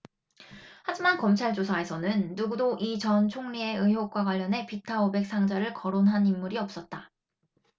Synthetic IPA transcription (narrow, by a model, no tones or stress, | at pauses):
had͡ʑimankʌmt͡ɕʰaɭd͡ʑosʰae̞sʰʌnɯnːuɡudoʔit͡ɕʌnt͡ɕʰoŋɲie̞ɯɦjok̚k͈waɡwaʎːʌnɦe̞pitʰaobe̞k̚s͈aŋd͡ʑaɾɯɭkʌɾonɦanimːuɾiʌp̚s͈ʌt̚t͈a